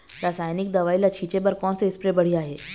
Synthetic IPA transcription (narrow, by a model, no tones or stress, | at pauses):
ɾaːsaːjnɪk̚d̪ɐʋaːilat͡ʃʰiːt͡ʃebɐɾkɔːnseɪspɾebɐɽ̤ijaɦɛː